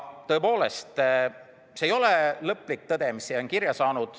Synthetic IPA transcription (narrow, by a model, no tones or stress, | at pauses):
t̪ɤepo̞ːle̞st̪ | sejo̞lelɤpːˑlik̚t̪ɤd̪̥e̞misionkiɾjɑsɑːnud̪̥